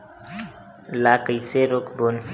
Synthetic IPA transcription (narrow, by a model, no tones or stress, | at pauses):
lakəjseɾokbonf